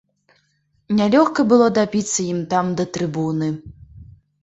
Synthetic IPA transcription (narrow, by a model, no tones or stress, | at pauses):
nʲalʲɔxkɐbɨlˠɔd̪abʲit̪sːɐjimt̪amd̪ɐt̪ɾɨbunɨ